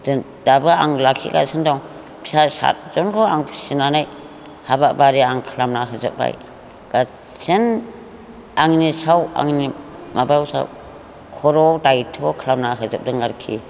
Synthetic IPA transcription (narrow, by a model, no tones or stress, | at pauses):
d | d̥abɯaŋlakʰḭɡa̰sendɔŋ | pʰi̥sasa̰t̚zɔnkʰɔaŋpʰsinanaj | habaʔbaɾiaŋkʰlamnaɦazɯp̚ba̰j | ɡ̥a | sen | aŋnisawa̰ŋni | mabawsa̰w | kʰɔɾɔdajtʰɔkʰlamnaɦɯzɯp̚dɯŋaɾkʰḭ